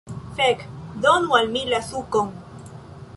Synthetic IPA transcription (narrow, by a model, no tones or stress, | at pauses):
fekd̪onualmilasukoŋ